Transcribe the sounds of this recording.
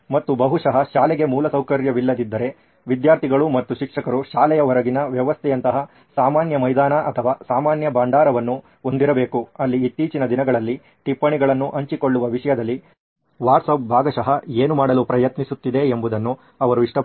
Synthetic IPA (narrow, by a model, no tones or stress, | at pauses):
mɐt̪ːubɐɦuʂɐɦɐʃaːlɛɡe̞muːlɐsɐwkɐɾjɐʋilːɐd̪id̪ːɐɾe̞ | ʋid̪jaːɾt̪ʰiɡɐɭumɐt̪ːuʃikʂɐkɐɾuʃaːlɛjɐʋɐɾɐɡinɐʋjɐʋɐst̪ʰɛjɐnt̪ɐɦɐ | saːmaːnjɐmɐjd̪aːnɐʔɐt̪ʰɐʋaːsaːmaːnjɐbaːɳɖaːɾɐʋɐnːu | o̞nd̪iɾɐbe̞ːkuɐlːiːt̪ːiːt͡ʃinɐd̪inɐɡɐɭɐlːi | ʈipːɐɳiɡɐɭɐnːuʔɐɲt͡ʃiko̞ɭːuʋɐʋiʂɐjɐd̪ɐlːi | ʋaːɾʈsɐp̚bʱaːɡɐʃɐɦɐeːnumaːɽɐlupɾɐjɐt̪nisut̪ːid̪e̞ːmbud̪ɐnːu | ɐʋɐɾuiʂʈɐ